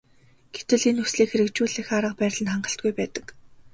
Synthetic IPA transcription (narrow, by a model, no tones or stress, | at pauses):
ɡ̥et̪ɘ̆ɮinɵsɮiːkxeɾɘ̆kt͡ɕuːɮiːxaɾə̆q̚pæːɾʲɮə̆nχaɴɢə̆ɬt̪̚ɡujpæːt̪ə̥̆k